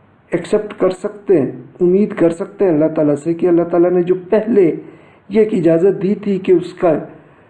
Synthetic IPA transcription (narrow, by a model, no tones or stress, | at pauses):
ɛksɛp̚ʈkɐɾsɐkt̪eɦɛ̃ʊmːiːd̪kɐɾsɐk̚t̪eɦɛ̃ɐlːaɦt̪aːlasekeɐlːaɦt̪aːlaned͡ʒoːpɛɦle | jeːkɪd͡ʒaːzət̪̚d̪iːt̪ʰikeʊska